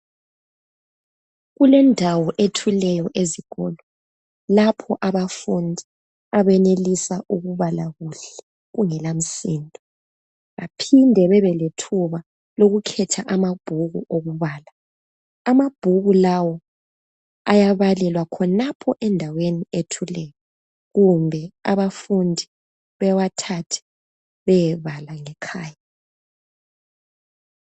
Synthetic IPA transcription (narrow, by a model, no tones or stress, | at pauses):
ɣulɛndʱawɔʔetʰulɛjɔʔeziɣ̥ɔ̰lɔ | lapʰɔʔaβafundʱi | aβɛnelisaʔuɣuβalaɣuɬɛ̥ | ɣuŋɛlam̩siːndʱɔ | ɣa̰pʰindʱɛβɛβɛletʰuβa | loɣukʰɛtʰaʔamab̥ʱuɣṵʔoɣuβaːla | amab̥ʱuɣulawɔ | ajaβalɛlwakʰɔnapʰɔʔɛndʱawenietʰulɛjɔ | ɣumbʱɛa̰βafundʱi | βɛwatʰatʰɛ̥ | βɛjɛβalaŋɛkʰaːja